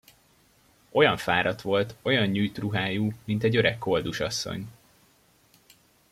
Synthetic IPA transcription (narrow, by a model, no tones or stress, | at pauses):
ʔo̞jɒɱfaːɾɒt̪ʋo̞lt̪o̞jɒɲɲujt̪ruɦaːjuːmint̪ɛɟø̞ɾɛkːo̞ld̪uʃɒsːo̰ɲ